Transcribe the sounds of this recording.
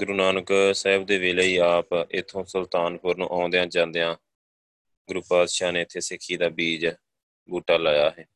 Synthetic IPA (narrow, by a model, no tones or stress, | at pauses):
ɡʊɾuːnaːnəksəɦɪbd̪eːʋeːleːiːaːpɪt̪ʰːõːsəlt̪aːnpʊɾnṵ̃ːʔaːnd̪ejãːd͡ʒãːnd̪eːãː | ɡɾuːpaːd̪ʃaːnẽːɪt̪ʰːeːsɪkʰːiːd̪aːbiːd͡ʒ | buːʈaːlaːjaːɦɛː